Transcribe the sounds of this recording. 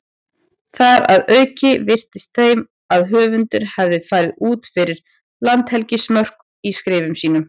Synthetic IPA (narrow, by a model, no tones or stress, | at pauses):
θaɾa̰ðœːɥcɪvɪr̥t̪ɪst̪θejm | aðɦœːvʏnt̪ʏɾ̥havðɪfaːjɾɪðuːt̪fɪɾɪɾ̥ | lant̪hɛlcɪsmœr̥k | iskɾɪːvʏmsiːnʏm